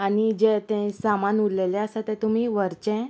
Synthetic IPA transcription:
anid͡ʑet̪ɛ̃samanuɾlelɛ̃əsat̪ɛ̃t̪um̤iːʋəɾt͡ɕɛ̃

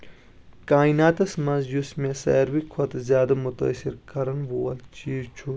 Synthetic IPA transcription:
kaːinaːt̪ɐsmɐzjusmẽsɐ̰ːɾwikʰɐt̪zjaːd̪ɐmut̪ɐ̰siɾkɐɾɐnʋoːɐlt͡ʃiːzt͡ʃʰu

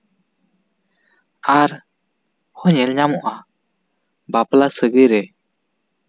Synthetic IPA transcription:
aɾ | hɔɲɛlɲamɔʔa | baplasəɡəjɾɛ

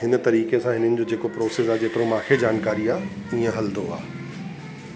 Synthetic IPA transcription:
ɦɪnt̪ɐɾiːkesãɦɪnənɪ̆d͡ʑoːd͡ʑeːkopɾoːsesaːed͡ʑeːt̪ɪɾõmãːkʰed͡ʑaːnkaːɾiaːiːẽɦɐld̪oa̰ː

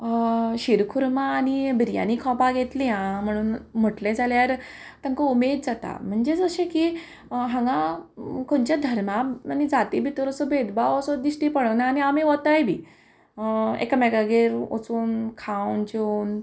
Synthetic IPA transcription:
ɕiɾkʰuɾmaːñibiɾija̰nikʰɔpaɡʱet̪liãm̤əɽ̃uːnm̤əʈlẽd͡zaljaɾt̪ãŋkaumed̪̚d͡zat̪a̰m̤əɳd͡ʑed͡zəɕẽki | ɦãŋɡãkoɳt͡ɕjad̪ʱəɾmaanid͡zat̪ibʱit̪əɾəsɔbed̪bawəsɔd̪iɕʈipəɽənaːniamiʋɔt̪ajbʱiː | ḛkamɛɡaɡeɾo̰t͡suːnkʰãwnd͡ʑen

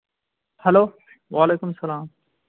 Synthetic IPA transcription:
hɐloː | ʋaːleːkʊmsɐlaːm

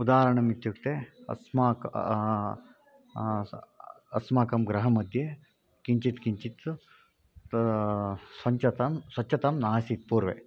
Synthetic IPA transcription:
ud̪aːɦɐɾɐɳɐmit̪jukt̪eːɐ̰smaːk | ɐsmaːkɐmɡɾɐɦɐmɐd̪ʱje | kiɲt͡ʃit̪kiɲt͡ʃit̪ | sʋɐɲt͡ʃɐt̪ɐmsʋɐt͡ʃːʰɐt̪ɐmnaːsit̪̚puːɾʋḛː

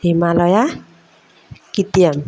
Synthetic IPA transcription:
imalɔja | kit̪iam

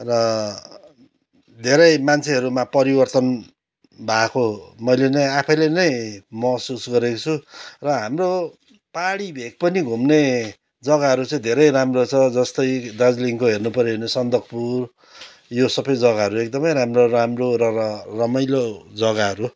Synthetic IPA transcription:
rʌ | d̪ʱeɾʌjmant͡sʰeɦʌɾumapʌɾibʌrt̪ʌn | bʱakomʌjlenʌjapʰʌjlenʌjmʌsusɡʌɾekot͡sʰurʌɦamro | paɽibʱek̚pʌniɡʱumne | d͡zʌɡaɦʌɾut͡sʌĩd̪ʱeɾʌjramrot͡sʰʌd͡zʌst̪ʌjd̪ad͡zliŋkoɦernupʌɾiɦernesʌnd̪ʌkpur | josʌbʌjd͡zʌɡaʌɾuek̚d̪ʌmʌjɾamroramrorʌrʌmʌjlod͡zʌɡaɦʌɾu

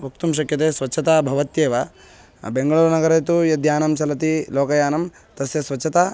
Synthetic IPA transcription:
ukt̪umʃɐkjɐt̪eːsʋɐtːt͡ʃʰːɐt̪aːbʱɐʋɐt̪jeːʋa | beŋɡɐɭuɾɐnɐɡɐɾɐt̪ujɐd̪ʱjaːnɐmt͡ʃɐlɐt̪iloːkɐjaːnɐm | t̪ɐsjɐsʋɐtːʰɐt̪aː

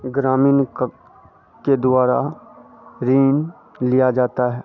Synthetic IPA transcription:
ɡɾaːmiːnk | ked̪ʊaːɾa̰ | ɾiːn | lijad͡ʒaːt̪aɦɛː

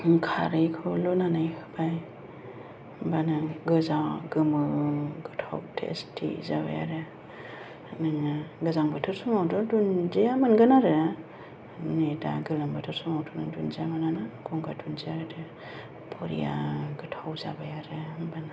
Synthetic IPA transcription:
kʰa̰ɾɯjkʰulɔnanajhʰɯ̥baj | banaɡɯzawɡɯmɯɡɯtʰawtʰḛstʰḭzaba̰ja̰ɾɯ | nŋaɡɯzaŋbatʰɔɾsuŋawdɔdunzejamanɡɯnaɾɯ | neda̰ɡɯlaŋbatʰɔɾsuŋawtʰɔnɯdunzjamananaɡɔŋɡadunzijaɾdɯ | pʰɔɾḭja̰ɡɯtʰawza̰bajaɾɯbana

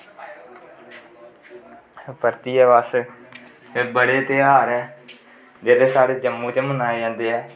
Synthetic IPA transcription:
pəɾt̪iːɛːʋas | bəɽeːt̪ɪaːɾɛː | d͡ʒeːɾeːsaːɽeːd͡ʒəmːũːt͡ʃəmənaːed͡ʒãːnd̪eːɛː

